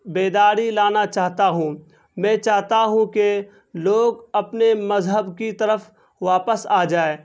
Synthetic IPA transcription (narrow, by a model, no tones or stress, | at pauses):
beːd̪aːɾilaːnat͡ʃaːɦt̪aɦũ | mɛ̃ːt͡ʃaːɦt̪aɦũke | loːɡɐpnemɐzɦəbkit̪ɐɾəf | ʋaːpəsaːd͡ʒaːeː